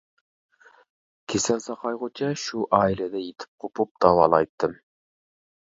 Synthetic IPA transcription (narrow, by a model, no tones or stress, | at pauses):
kʲʰesɛnsɑqʰɑjʁot͡ʃʰɛʃuʔɑːilɛd̪ɛjet̪ʰɪ̥p̚qʰopup̚d̪̥ɑwɑːlˠɑjt̪ːɨm